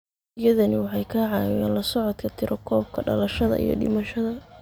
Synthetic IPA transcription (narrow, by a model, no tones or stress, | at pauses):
ɪjɐðɐnɪwɑħɑjkʰaʕɑːwɪjaːnlɐsɔʕɔd̪kʰɐt̪ʰɪɾʔɔkʰɔːb̚kʰɐɖɐ̰lɐʃɐðɐ̰ʔḭjɞ̰ɖɪ̰mɐʃɐðɐ